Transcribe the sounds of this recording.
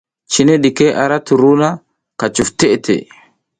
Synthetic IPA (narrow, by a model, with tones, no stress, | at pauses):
t͡ʃi˨ne˦ɗi˨ke˦ʔa˨ɾa˦t̪u˨ɾu˦na˦ | ka˨t͡ʃu˨ft̪e˦ʔt̪ḛ˨